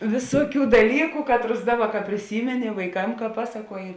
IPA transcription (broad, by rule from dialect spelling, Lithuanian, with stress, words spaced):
ˈʋʲɪsuɔˌkʲuː dɐˈlʲiːkʊ ˈkɑːtˌrʊs ˈdɑːˌbɐ kɐ pʲrʲɪˈsʲiːmʲɛnʲɪ ʋɐɪˈkɐm kɐ ˈpɑːsɐˌkuɔjɪ